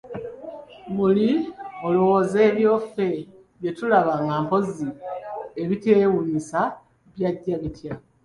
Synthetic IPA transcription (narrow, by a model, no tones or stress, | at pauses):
muliolowoːze̞ːβjo̞ːfe̞ | βje̞tulaβaŋɡaːmpo̞zie̞βiteːwulisa | βjaɟːaβitja